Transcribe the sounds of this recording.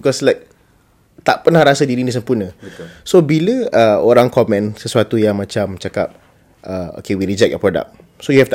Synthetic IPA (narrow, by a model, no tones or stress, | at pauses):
bikɔslaɪk̚ | t̪a̰ʔpənahɾasədiɾinis̬əmpunə̃sobiləəoɾaŋkɔmɛ̃nsəsuat̪ujaŋmãt͡ʃamt͡ʃaka̰p̚ | ʔəo̰kewiɾid͡ʒɛk̚jɔpɾɔda̰k̚ | sojuhɛft̪